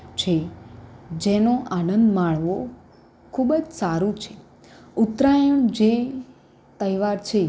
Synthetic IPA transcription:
t͡ʃʰe | d͡ʒenoʔanənd̪maɭʋo | kʰubd͡ʒsaɾũt͡ʃʰe | ut̪ɾajəɳd͡ʒe | t̪əjʋaɾt͡ʃʰe

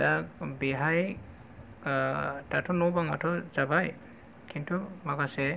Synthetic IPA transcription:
akbiɦaj | tatʰɔnɔwbaŋatʰɔzabaj | kintʰumakasɛ

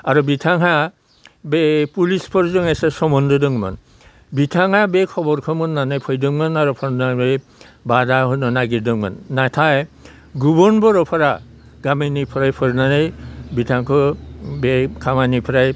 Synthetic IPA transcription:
aɹubitʰaŋɦa | bepulispʰɔɹzɔŋɛsɛsɔmɔndɔdɔŋma̰n | bitʰaŋhabekʰɔbɔɾkʰɔmɔnːanajpʰɔjdɔŋmanaɹupʰɔɾnabe | badaɦɔnɔnaɡidɔŋma̰nːatʰaj | ɡubɔnbɔɾɔpʰaɾa | ɡamenipʰɾajpʰɔɾnanajbitʰaŋkʰɔbekʰamanipʰɾaj

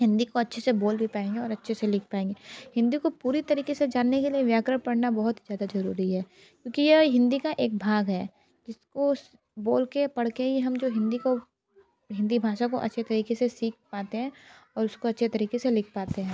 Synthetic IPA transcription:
ɦɪ̃nd̪ikoɐtːʃʰeseboːlbʱipaːẽːŋɡeɔːɾɐtːʃʰeselɪk̚ʰpaːẽːŋɡehɪ̃nd̪ikopuːɾit̪ɐɾiːkesed͡ʒaːnːekelieʋjaːkɾəɽpɐɽnabɐɦʊt̪zjaːd̪azɐɾṵːɾiɦɛː | kjõːkijeɦɪ̃nd̪ikaʔeːk̚bʱaːɡɦɛː | d͡ʒɪsko | boːlkepɐɽ̤keɦiɦɐmd͡ʒoːɦɪ̃nd̪iko | ɦɪ̃nd̪ibʱaːʃakoʔɐ̰tːʃʰet̪ɐɾiːkesesiːk̚paːt̪eɦɛ̃ːɔːɾʊskoɐtːʃʰet̪ɐɾiːkeselɪk̚ʰpaːt̪eɦɛ̃ː

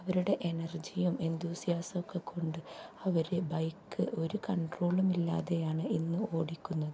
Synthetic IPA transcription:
ɐʋɐɾuɽe̞ʔenɐrd͡ʑijume̞nt̪ʰuːsijaːsɐokːekʰːo̞ɳɖɨɐʋɐɾebɐjkːɨʔo̞ɾukɐɳɖro̞ːɭumilːa̰ːðe̞jaːɳɨinːɨo̞ːɽikʲːunːɐðɨ

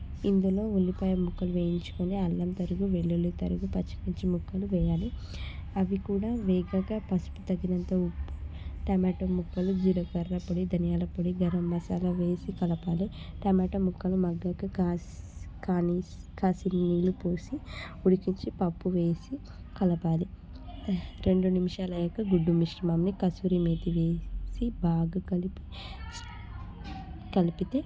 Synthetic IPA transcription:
ind̪ulo̞ːulːipɐːjɐmukːɐluʋeːjiɲt͡ʃu̥kuneɐlːɐmt̪ɐɾuɡuʋeɭːulut̪ɐɾuɡupɐt͡ʃːɐ̥piɲt͡ʃimukːɐluʋɛːjaːli | ɐʋikuːɽaːʋɛːɡaɡaːpɐsu̥pu̥t̪ɐɡːinɐnt̪ɐupːu̥ʈɐmaːʈomukːɐlud͡ʒilɐkɐɾːɐpɐɽid̪ʱɐnijaːlɐpoɽiɡɐɾɐmːɐsaːlɐʋe̞ːsikɐlɐpaːli | ʈɐmaːʈɐmukːɐlumɐɡːɐki | kaːni | kaːsiniːlupoːsi | uɽikiɲt͡ʃipɐpːuʋe̞ːsi | kɐlɐpaːli | ɾe̞ɳɖunimiʂaːlɐjɐkːɐɡuɖːumiʂɾɐmamnikɐsuɾimeːt̪iʋeːsibaːɡɐkɐlipi | kɐlipit̪eː

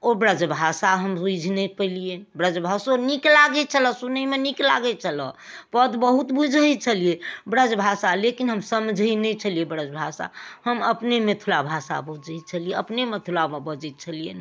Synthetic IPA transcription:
obɾəd͡ʒbʱasaɦəmsud͡ʒʱnepəilijebɾəd͡ʒbʱasoniklaɡɛt͡ʃʰələsunəimenikla̰ɡɛt͡ʃʰələ̰pəd̪bəɦut̪bud͡ʒʱɛjt͡ʃʰəlijebɾəd͡ʒbʱasalekinɦəmsəmd͡ʒʱəinɛt͡ʃʰəlijebɾəd͡ʒbʱasa̰həməpnemet̪ʰulabʱasa̰bud͡ʒəj̚t͡ʃʰəlijeəpnemet̪ʰulabebəd͡ʒɛt̪̚t͡ʃʰəlijen

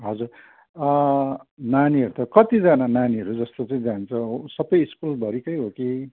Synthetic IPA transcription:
ɦʌd͡zur | ʌ | naniɦʌɾut̪ʌkʌt̪id͡zʌnananiɦʌɾud͡zʌst̪ot͡sʌĩd͡zant͡sʰʌ̃ɦsʌbʌjːskulbʱʌɾikʌjɦoki

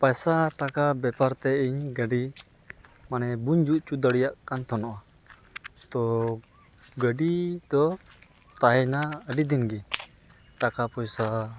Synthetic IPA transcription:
pajsaʈakabɛpaɾt̪ɛiɲɡəɖi | manɛbuɲd͡ʒuʔt͡ʃud̪əɽijaʔkant̪ɔnɔʔa | t̪ɔ | ɡəɖid̪ɔ | t̪aɦɛnaəɖid̪inɡɛ | ʈakapɔjsa

